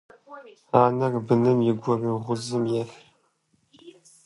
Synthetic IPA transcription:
aːnɐrbɨnɨmjɪɡʷɔriːʁʷʊzɨmjɛf

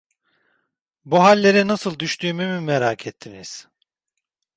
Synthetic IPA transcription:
buɦalʲːe̞ɾinasɯlˠd̪yʃt̪ʰyːmymymeɾaːkʰɛt̪ʰːiniz̥

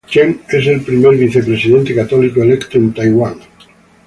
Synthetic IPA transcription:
t͡ʃemeselpɾimeɾβiθepɾesiðent̪ekat̪ɔlikoelekt̪oẽnt̪ajɣwaŋ

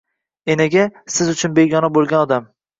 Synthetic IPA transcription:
enaɡʲasɪzʊt͡ʃʰʊnbeɡʲɒnabolˠɡʲanɒd̪am

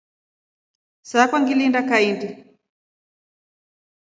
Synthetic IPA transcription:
sakwaŋɡilindakaindi

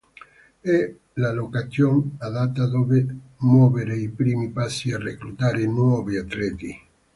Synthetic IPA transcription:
ɛ | lalokaθjoŋaðat̪ːad̪ovemwɔveɾeipɾiːmipasːiareklut̪aːɾenwɔviat̪ɾɛt̪i

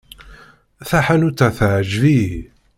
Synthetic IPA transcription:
θaħanut͡sːaθʕəʒvi

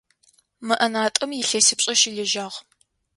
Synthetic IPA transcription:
mɨʔɐnaːtʼɨmjɪɬɐsɨpɕʼɐʃiɮɨʒaːʁ

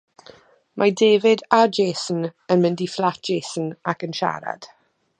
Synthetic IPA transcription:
mʔadeːvɪdad͡ʒeːsn̩ənmɪndiflˠat̚d͡ʒ̥ʒ̥eːsən̩akənʃa̰ɾa̰d̥

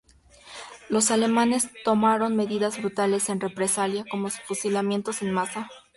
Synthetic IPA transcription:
lo̞sale̞mãne̞st̪o̞maɾo̞nme̞ðiðazβɾut̪ale̞se̞nre̞pɾe̞saljako̞mo̞sfusilamje̞nt̪o̞se̞nmasa

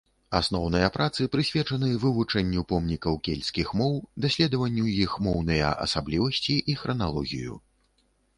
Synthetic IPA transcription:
a̰snɔwnɨjɐpɾʔat̪sɨpɾɨsʲvʲɛt͡ʂɐnɨvɨvut͡ʂɛnʲːupɔmnʲikɐwkʲelʲsʲkʲixmɔwd̪asʲlʲɛd̪ɐvɐnʲːujixmɔwnɐjɐ̰ʔɐ̰sablʲivɐsʲt͡sʲiʔixɾɐnalˠɔ̰ɣʲḭjṵ

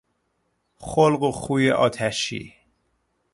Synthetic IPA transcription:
χolɢoχujeʔɒ̰ːt̪ʰæʃḭ

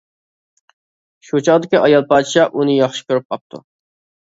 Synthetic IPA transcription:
ʃut͡ʃʰɑʁd̪ɪkʲiʔɑjɑlˠpɑd̪ɨʃɑʔunɨjɑχʃɪ̥kʲʰøɾyp̚qʰɑp̚t̪ʰṵ

